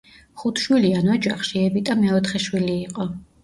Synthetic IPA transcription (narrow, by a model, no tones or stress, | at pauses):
χut̪ʰʃwilianwad͡ʒaχʃiɛbit̪ʼamaɛt̪χɛʃwiliːqʼɔ